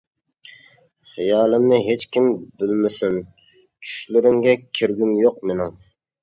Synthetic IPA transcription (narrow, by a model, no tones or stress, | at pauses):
χijɑːlˠɪmnɪɦet͡ʃkʲimbɪlmɪsyn | t͡ʃʰy̥ʃlyɾɪŋɡʲɛkʲʰiɾɡʲymjoqmenɪŋ